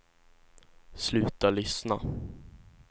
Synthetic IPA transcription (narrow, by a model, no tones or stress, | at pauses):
slʉ̟ːt̪alʏsna